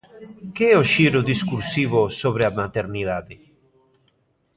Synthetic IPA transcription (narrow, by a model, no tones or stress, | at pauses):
keɛoʃiːɾod̪iskuɾsiːvosoβɾeamat̪eɾniðad̪i